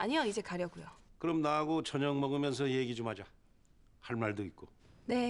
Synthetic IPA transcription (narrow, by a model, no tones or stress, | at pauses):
aɲijʌid͡ʑe̞kaɾjʌɡujokɯɾʌmnaɦːɡot͡ɕʌɲʌŋmʌɡɯmjʌns̬ʰʌje̞ɡid͡ʑomhad͡ʑa | haɭmaɭdoik̚k͈o | ne̞